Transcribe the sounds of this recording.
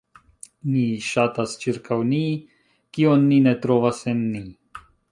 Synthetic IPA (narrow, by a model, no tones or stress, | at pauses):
niʃatast͡ʃiɾkʰawni | kionːine̞tɾo̞vase̞nːi